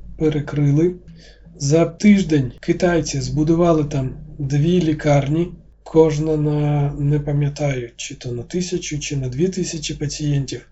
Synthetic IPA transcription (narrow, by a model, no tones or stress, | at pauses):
peɾekɾɪlˠɪ | zɐt̪ɪʒd̪ɛnʲkɪt̪ɑjt͡sʲizbʊd̪ʊʋɑlˠɪt̪ɑmd̪ʋʲilʲikɑrnʲi | kʰɔʒnɐnɐnɛpɐmʲjɐt̪ɑjʊt͡ʃɪt̪ɔnɐt̪ɪsʲɐt͡ʃʲʊt͡ʃɪnɐd̪ʋʲit̪ɪsʲɐt͡ʃʲipɐt͡sʲijɛnʲtʲiw